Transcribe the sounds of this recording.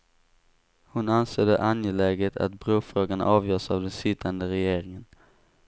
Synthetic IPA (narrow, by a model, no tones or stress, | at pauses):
hʊnansøːd̪ə̰ʔanjɛlɛɡət̪ʰa̰t̪bɾuːfɾoːɡana̰ʔɑːvjœːsavd̪ɛnsʏt̪ʰːand̪əɾɛjeːɾɪŋən